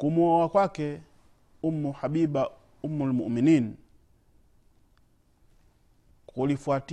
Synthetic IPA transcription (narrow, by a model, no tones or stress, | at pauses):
kumuɔwakwakɛ | umːuhabiba | umulmuʔminin | kulifuat